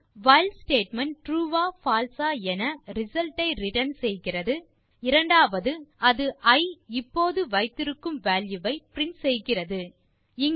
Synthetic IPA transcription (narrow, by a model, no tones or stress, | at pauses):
ʋɐɪlsʈeːʈmɐnʈɾuːʋaːfaːlsaːɛnɐɾɪsɐlʈɐɪɾɪʈɐnsɛjɣɪrɐðɯ | ɪɾɐɳɖaːʋɐðɯɐðɯʔɐɪɪpːoːðɯʋɐɪt̪ːɪɾɯkːɯmʋaːljɯʋɐɪpɪɾɪnsɛjɣɪrɐðɯ | ɪŋ